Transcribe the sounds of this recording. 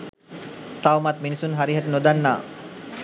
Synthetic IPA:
t̪awmat̪minisunɦaɾiɦaʈənod̪anːaː

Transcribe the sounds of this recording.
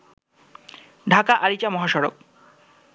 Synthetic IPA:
ɖʱakaʔaɾit͡ɕamɔɦaʃɔɾo̰k̚

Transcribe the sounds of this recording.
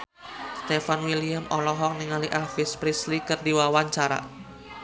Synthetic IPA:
st̪efanwiliamʔɔlɔɦɔk̚niŋaliʔafispɾislikərdiwawaɲt͡ʃaɾa̰

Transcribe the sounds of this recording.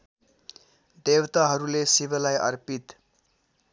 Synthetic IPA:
d̪ewt̪aɦʌɾulesibʌlajʌ̰rpit̪

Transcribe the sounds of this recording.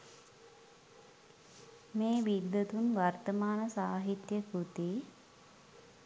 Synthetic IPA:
meːʋid̪ːət̪unʋart̪əmaːnəsaːɦit̪jəkɾut̪i

